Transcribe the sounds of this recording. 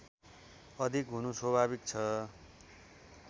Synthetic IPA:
ʌd̪ʱikɦunuswʌbʱaβik̚t͡sʰʌ

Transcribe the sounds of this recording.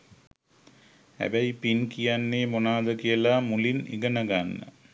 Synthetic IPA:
hæ̰bæipinkijanːeːmonaːd̪əkijəlamulinḭɡənəɡanːə̰

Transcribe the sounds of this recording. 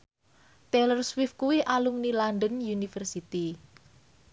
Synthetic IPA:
t̪ɛlərswɪfkuwiʔalumnilandənjunifərsit̪i

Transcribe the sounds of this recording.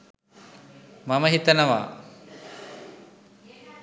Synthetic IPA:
maməɦit̪ənəʋa̰ː

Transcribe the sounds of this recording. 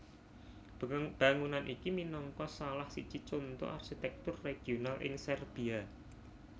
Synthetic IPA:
b̥a̤ŋunanʔikiminɔŋkɔsalahsit͡ʃit͡ʃont̪o̰ʔa̰rkit̪ɛk̚t̪ʊrːeɡ̥ionalʔɪ̰ŋsɛrb̥ia

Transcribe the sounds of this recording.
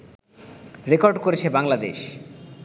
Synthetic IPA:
ɾekoɾɖkoɾet͡ɕʰebaŋlad̪ḛʃ

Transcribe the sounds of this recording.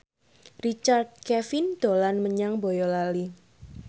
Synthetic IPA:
rit͡ʃard̪̚kɛfind̪̥olanməɲaŋbojɔlali

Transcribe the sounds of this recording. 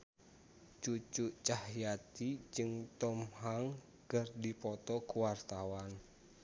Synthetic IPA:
t͡ʃut͡ʃuʔt͡ʃahjat̪id͡ʒɨŋt̪ɔmhaŋ | kərdipɔt̪ɔkuwart̪awan

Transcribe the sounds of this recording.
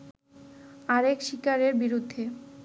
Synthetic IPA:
aɾekʃikaɾeɾbiɾud̪ʱːe

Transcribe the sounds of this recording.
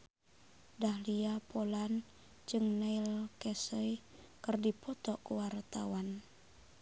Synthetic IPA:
dahliapolan | d͡ʒɨŋnailkɛsəi | kɨrdipɔt̪ɔʔkuwart̪a̰wan

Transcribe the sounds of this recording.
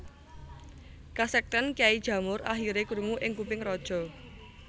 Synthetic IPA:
kasɛk̚t̪ɛnkiaid̥ʒ̥ä̤mʊɾaɦiɾekuɾuŋuʔɪŋkupɪŋrɔd̥ʒ̥ɔ̤

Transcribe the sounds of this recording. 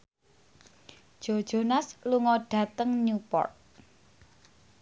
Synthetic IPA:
d̥ʒ̥o̤d̥ʒ̥o̤nasluŋɔɖ̥ä̤t̪əŋnupɔ̰rt̪̚

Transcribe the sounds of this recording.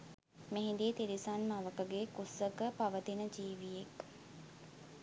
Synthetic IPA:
meɦĩnd̪iːt̪iɾisanmaʋəkəɡekusəkəpaʋət̪inəd͡ʒiːʋijek

